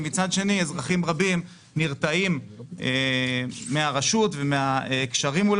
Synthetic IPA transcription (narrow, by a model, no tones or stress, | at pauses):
mit͡sad̪ʃe̞niezʁaχimʁabim | niʁt̪aimeː | eaʁaʃut̪vemeakʃaʁimul